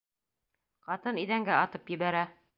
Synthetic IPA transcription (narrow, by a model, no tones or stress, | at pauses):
qɑt̪ɤniðæŋɡæɑt̪ɤpjɘ̆βæɾæ